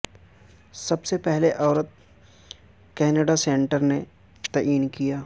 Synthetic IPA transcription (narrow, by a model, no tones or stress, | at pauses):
sɐbsepɛɦleʔɔːɾət̪̚ | kɛːnəɖasẽːɳʈəɾne | t̪ɐʔiːnkijaː